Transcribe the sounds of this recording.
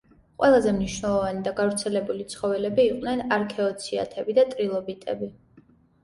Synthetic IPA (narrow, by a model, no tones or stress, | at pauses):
qʼwɛlˠazɛmniʃnɛlˠɔvanid̪aɡavɾt̪sʰɛlɛbulit̪sʰχɔvɛlɛbiːqʼwnɛnaɾkʰɛɔt̪sʰia̰t̪ʰɛbid̪at̪ʼɾilˠɔbit̪ʼɛbi